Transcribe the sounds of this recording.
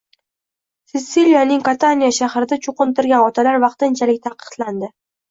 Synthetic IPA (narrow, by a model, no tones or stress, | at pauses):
sɪt̪sːiljanɪŋkat̪ʰanijaʃahɾɪd̪at͡ʃʰoqɨnt̪ɪɾɡʲanɒt̪ʰalaɾvɑqt̪ɪnt͡ʃʰalɪk̚ʲt̪ʰaqʰɨ̥qt̪land̪ɪ